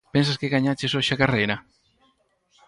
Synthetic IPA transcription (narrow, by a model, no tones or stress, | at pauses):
pens̬askeɣaɲat͡ʃesoʃakarejɾɐ